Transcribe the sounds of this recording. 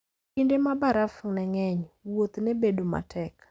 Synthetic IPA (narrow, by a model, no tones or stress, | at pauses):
kindemabaɾafnɛŋɛɲwot̪nebedoma̰tʰɛk